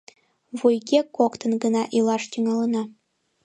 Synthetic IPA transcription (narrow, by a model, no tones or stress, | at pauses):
βujɡʲekokt̪ɤ̆nɡənɑʔilˠɑʃt̪ʲyŋɑlˠɤ̆nɑ